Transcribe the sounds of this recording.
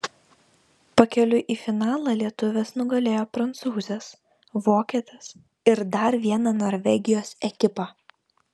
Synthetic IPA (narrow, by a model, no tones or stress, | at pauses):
pɐkʲɛlʲʊʔiːfʲɪnɑːlˠɑlʲiɛt̪ʊʋʲɛsnʊɡɐlʲeːjoːpɾɐnt̪suːzʲɛs | ʋoːkʲɛt̪ʲɪs | ɪɾd̪ɐɾʋʲiɛnɑnoːɾʲʋʲɛɡʲɪjoːsɛkʲɪpɑː